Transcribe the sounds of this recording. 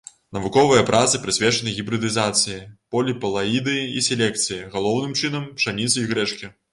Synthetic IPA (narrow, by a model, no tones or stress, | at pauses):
nɐvukɔvɨjɐpɾʔat̪sɨpɾɨsʲvʲɛt͡ʂɐnɨɣʲibɾɨd̪ɨzat̪sɨjipɔlʲipɐlˠaid̪ɨisʲɛlʲɛkt̪sɨjiɣalˠɔwnɨmt͡ʂɨnɐmpʂanʲit̪sɨiɣɾɛt͡ʂkʲi